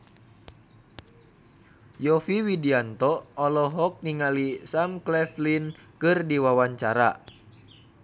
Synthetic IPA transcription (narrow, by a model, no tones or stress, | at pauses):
jɔfiwidiant̪ɔːlɔɦɔk̚niŋalisamklɛflinkɨrdiwawaɲt͡ʃaɾa̰